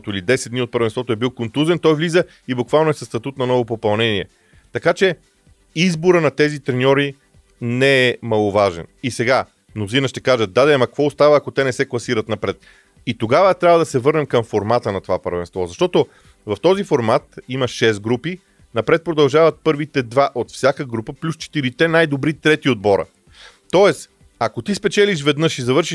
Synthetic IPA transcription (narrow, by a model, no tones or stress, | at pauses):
t̪oilid̪ɛsɛd̪d̪niot̪̚pəɾvɛnst̪vɔt̪oɛbilˠkont̪uzɛnt̪ɔjvlizə | ibʊkvalˠnʊɛsɐst̪ɐt̪ut̪nɐnɔvopopɐlˠnɛniɛ̰ | t̪ɐkat͡ʃɛ | izboɾənɐt̪ɛzit̪ɾɛnʲɔɾi | nɛɛmɐlˠʊvaʒɛ̰nisɛɡa | nozinɐʃt̪ɛkaʒət̪̚d̪ad̪ɛɛmɐkvɔʊst̪avɐːkot̪ɛnɛsɛklˠɐsiɾət̪nɐpɾɛt̪ | it̪oɡavət̪ɾʲabvəd̪ɐsɛvɤɾnɛmkɐmfoɾmat̪ənɐt̪ovapəɾvɛ̰nst̪vɔzɐʃt̪ɔt̪o | vɐft̪ɔzifoɾmat̪imɐʃɛst̪̚ɡɾupi | nɐpɾɛt̪̚pɾod̪ɐlˠʒavɐt̪̚pɤɾvit̪ɛd̪vaʔot̪fsʲjakəɡɾupəplʲust͡ʃɛ̥t̪iɾit̪ɛnajd̪obɾit̪ɾɛt̪iod̪̚bɔɾə̰ | t̪ɔɛs | akot̪ispɛt͡ʃɛliʃ̬vɛd̪nɤʃizɐvɤɾʃiʃ